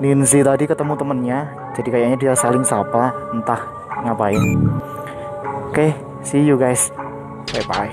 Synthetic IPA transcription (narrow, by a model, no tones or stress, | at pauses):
ninsit̪adikət̪əmut̪əmənɲḁ | d͡ʒadikajaɲadiasalɪŋsapant̪ah | ŋapaɪn | keh | sijuɡajs | papa̰